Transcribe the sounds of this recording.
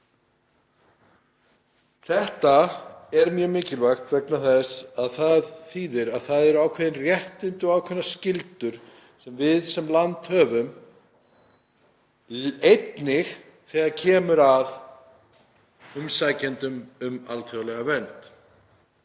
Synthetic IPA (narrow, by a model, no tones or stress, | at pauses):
θɛht̪aɛɾmjœːmɪːcɪlvajxt̪vɛknaθɛsaðθaðθiːðɪɾaðθaðɛɾaːwkʰvɛðɪnrjɛht̪ɪnt̪ʏɔaːwkʰvɛnːascɪlt̪ʏɾ̥ | sɛmvɪðsɛmlant̪hœːvʏm | ejt̪nɪx | θɛːɣaɾcʰɛːmʏɾað | ʏmsaːjcɛnt̪ʏmʏma̰lt̪ʰɔɣlɛɣavɛnt̪